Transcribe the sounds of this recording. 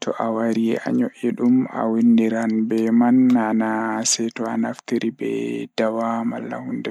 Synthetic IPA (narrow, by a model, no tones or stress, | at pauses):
tʰɔʔawaɾijɛ̰ʔa̰ɲɔʔɛɗuma̰windiɾanbɛmanːanasɛtɔanaftiɾibɛ̰d̥awamalːa̰hundɛ